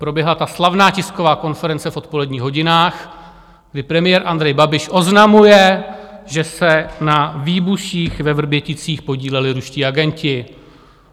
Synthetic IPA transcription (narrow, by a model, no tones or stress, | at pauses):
pɾo̞bjɛɦlat̪aslavnaːcɪsko̞vaːko̞nfɛɾɛnt͡sɛfʔo̞t̪̚po̞lɛdɲiːxɦo̞ɟɪnaːx | ɡdɪpɾɛmɪjɛːɾʔand̪ɾɛjbabɪʃʔo̞znamujɛʒɛsɛnaviːbuʃiːxvɛvr̩bjɛcɪt͡siːxpo̞ɟiːlɛlɪɾuʃciːaɡɛncɪ